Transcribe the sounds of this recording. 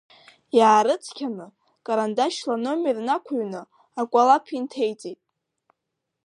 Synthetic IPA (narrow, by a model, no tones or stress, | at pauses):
jaːɾɨt͡sʰkʲʰanɨ | kʼaɾandaʃlano̞mernakʷʰaɥnɨ | akʷʼalapʰintʰe̞jt͡sʼejtʼ